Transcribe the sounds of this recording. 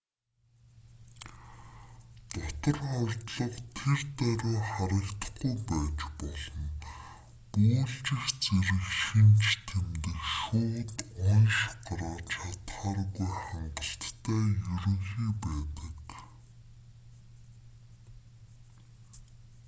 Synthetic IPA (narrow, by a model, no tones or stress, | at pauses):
t̪ɔt̪ə̆rχɔrʲt̪ɮɞ̆qt̪ʰert̪æɾʊːχaɾə̆kt̪ə̆χɡujpæːt͡ɕpɔɮɞ̆n | uːɮt͡ɕɪ̆xt͡seɾɘ̆xʃint͡ɕt̪ʰemt̪ɘ̆kʃʊːt̪ɔnʃɢaɾaːt͡ɕʰat̪χaːrɣujχaɴɢə̆ɬt̪ːʰæːjɵɾɵ̆ŋxiːpæːt̪ə̆k